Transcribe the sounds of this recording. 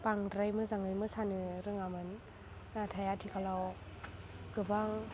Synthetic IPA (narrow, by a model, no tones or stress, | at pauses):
paŋɾajmɯzaŋɯjmɯsanɯɾɯŋamɯnː | atʰajatʰikʰalaw | ɡɯbaŋ